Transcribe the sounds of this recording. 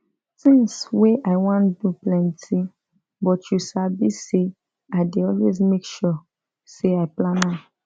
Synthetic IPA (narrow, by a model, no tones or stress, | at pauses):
tĩŋsweʔaɪwãnduplɛ̃ntʰi | bɔtjusabise | aɪdeɔlwezmekʃɔ | seaɪplãna